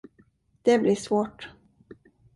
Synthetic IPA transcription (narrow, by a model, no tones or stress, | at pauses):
d̪̥ɛblɪʂvoːʈ